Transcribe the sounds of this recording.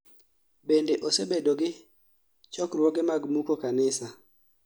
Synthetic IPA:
bendeʔosebedoɡɪ | t͡ʃɔkrwɔɡemaɡmukokanɪsa

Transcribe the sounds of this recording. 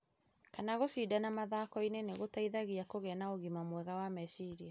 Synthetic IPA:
kanaɣosidanamaðakɔineneɣotaiðaɣiakoɣɛnaoɣimamwɛɣawamɛsiɾia

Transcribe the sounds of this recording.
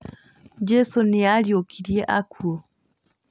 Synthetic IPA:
d͡ʒɛsɔnɛaljokʰiɾjɛʔakuɔ

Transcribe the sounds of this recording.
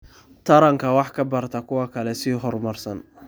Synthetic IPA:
t̪ʰɐɾɐŋkʰɐwɑħkʰɐbɐrt̪ʰɐkʰʊwɐkʰɐlɛsiːɦɔrmɐrsɐn

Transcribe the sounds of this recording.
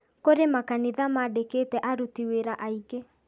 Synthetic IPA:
koɾemakaniðamadekeːtɛʔaɾutiweɾaʔaiɡe

